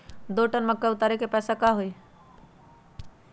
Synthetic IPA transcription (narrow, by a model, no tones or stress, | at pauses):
d̪oʈənməkːeʊt̪aɾekepɛsakaɦoj